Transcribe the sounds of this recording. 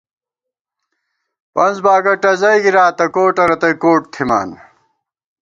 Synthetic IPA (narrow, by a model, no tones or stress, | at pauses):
pɐnzbaːɡɐʈɐzɐjɡiɾaːt̪ɐkoːʈɐɾɐt̪ɐjkoːʈt̪ʰima̰ːn